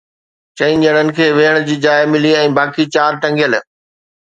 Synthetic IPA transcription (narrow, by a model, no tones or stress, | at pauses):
t͡ɕɐĩnd͡ʑɐɽ̃ənɪ̆kʰeːʋeːɦəɽ̃d͡ʑiːd͡ʑaːɪmɪliɛ̃ːbaːkit͡ɕaːɾʈɐ̃ŋɡjəl